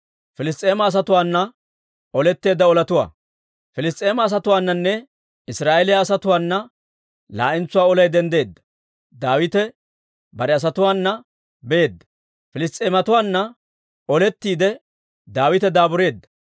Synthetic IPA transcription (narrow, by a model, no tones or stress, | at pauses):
fɪlɪs̬t̪ʼe̞ːmɐːs̬ɐt̪ʊwaːnːɐ | ɔlɛt̪ːe̞ːd̪ːɐɔlɐt̪ʊwa̰ː | fɪlɪs̬t̪ʼːe̞ːmɐːs̬ɐt̪ʊwaːnːɐnːɛ | ɪsɾaːʔɛlɪjaːsɐt̪ʊwaːnːɐ | la̰ːʔɪnt͡sːʊwaːɔlɐjd̪ɛnd̪e̞ːd̪ːɐ̥ | d̪aːwɪt̪ɛ | bɐɾɛɐs̬ɐt̪ʊwaːnːɐ | bɛeːd̪ːɐ̥ | fɪlɪst̪ʼeːmɐt̪ʊwaːnːɐ | ɔlɛt̪ːiːd̪ɛ | d̪aːwɪt̪ɛd̪aːbʊɾe̞ːd̪ːɐ̥